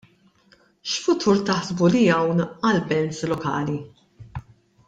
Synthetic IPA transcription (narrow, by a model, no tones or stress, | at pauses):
ʃfʊt̪ʰuːɾt̪ɐħzbulijɐwnɐlbɛnslɔkɐ̰ːli